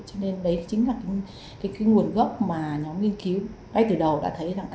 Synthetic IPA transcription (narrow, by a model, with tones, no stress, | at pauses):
t͡ɕɔ˧ne˧nɗə˨˦jt͡ɕŋ̟laː˨˩ka˨˦ŋ | kaː˨˦jkaː˨˦jŋu˨˩ənɣə˦˥p̚maː˨˩ɲɔ˨˦mŋi˧ənki˨˦w | ŋa˧jt̪ɨː˨˩ɗə˨˩wɗa̰ː˧˥t̪ʰə˨˦jza˨˩ŋʔ